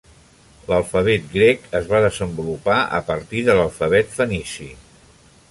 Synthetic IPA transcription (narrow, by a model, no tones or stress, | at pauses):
ləlˠfəβɛt̪̚ɡɾɛkəzβaðəzəmbulupaʔə̰pəɾt̪iðələlˠfəβ̞ɛt̪fənisḭ